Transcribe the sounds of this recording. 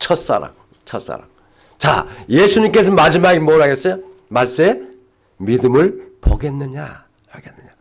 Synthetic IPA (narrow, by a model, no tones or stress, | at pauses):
t͡ɕʰʌt̚s͈a̰ɾa̰ŋ | t͡ɕʰʌt̚s͈a̰ɾa̰m | t͡ɕa̰je̞sʰuɲimk͈e̞sʰʌmad͡ʑimaɡimoɾɦaɡe̞s͈ʌjo | maɭs͈ʌme̞ | midɯmɯɭpo̰ɡe̞nːɯɲa̰ | haɡenːɯɲa